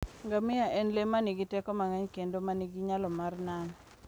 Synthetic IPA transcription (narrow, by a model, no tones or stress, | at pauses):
ŋɡamɪjaʔɛnlemaniɡitɛkɔmaŋaɲkendomaniɡiɲalɔmarnan